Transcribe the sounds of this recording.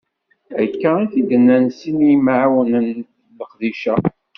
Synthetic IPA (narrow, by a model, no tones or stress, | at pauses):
ækːæænθid̪ənːænsinmaʕwənən | ləqðiʃæ